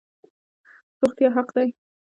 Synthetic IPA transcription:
ɾʊxt̪jɑɦaqd̪aj

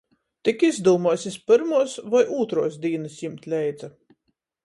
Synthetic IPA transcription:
t̪ikizd̪uːmuɔsʲispɨɾmuɔsvajʔuːt̪ɾuɔsd̪ʲiːnɨsjimt̪ʲlʲɛjd̪za

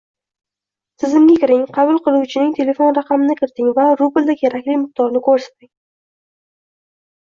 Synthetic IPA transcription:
t̪ʰɪzɪmɡʲakʲɪɾɪŋqʰɑbʊlˠqɨlˠuwt͡ʃʰɪnɪŋt̪ʰe̞le̞fo̞nɾaqɑmɪnɪkʲʰɪɾt̪ɪŋvaɾʊbɪlˠd̪akʲʰe̞ɾakʲlɪjmɨq̚t̪ɒɾnɪkʰɵɾsḁt̪̚ɪŋ

